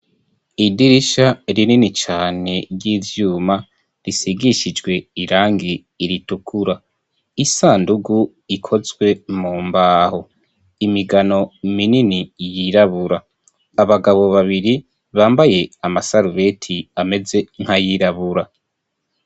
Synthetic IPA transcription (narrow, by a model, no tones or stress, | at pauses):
idiɾiʃaɾininit͡ʃaːne̞ɾjiːvjuːma | ɾisiɡiʃid͡ʒɡwe̞iɾaːŋɡiː | ɾitukʰuɾa | isaːnduɡu | ikʰo̞zɡwe̞muːmbaːho | imiɡano̞mininijiɾaβuɾaː | βaɡaβo̞βaβiɾi | βaːmbaje̞amasaɾuβe̞tʰiame̞ze̞ŋhajiɾaβuɾa